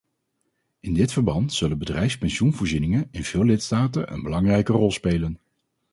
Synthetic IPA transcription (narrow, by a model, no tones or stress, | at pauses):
ɪndɪtfəɹbɑntsɵlənbədrɛjfspɛnʃunvʊːɹzinɪŋənɪnv̥ɪːlɪtstaːtə̰nʔə̰nbəlɑŋrɛjkərɔlˠspejlən